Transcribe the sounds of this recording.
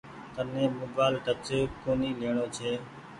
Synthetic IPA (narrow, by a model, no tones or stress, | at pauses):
t̪ənẽːmoːbaːlʈət͡ʃeːkoːniːleːɳoːt͡ʃʰeː